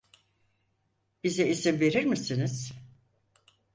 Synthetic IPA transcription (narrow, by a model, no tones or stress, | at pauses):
b̥izɛizimve̞ɾiɾmisiniz̥